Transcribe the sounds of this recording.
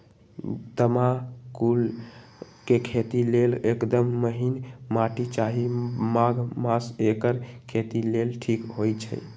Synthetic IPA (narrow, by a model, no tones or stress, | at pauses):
d̪əmakul | kekʰet̪ilelekd̪əmːəɦinmaʈit͡ʃaɦimaɡmasekəɾkʰet̪ilelʈʰikɦojt͡ʃʰə̰